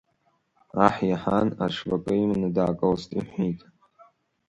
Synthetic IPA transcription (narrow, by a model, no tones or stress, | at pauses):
aħjaħana̰ʂvakʼɨimnɨdaːkʼɐlstʰʼiħejtʼ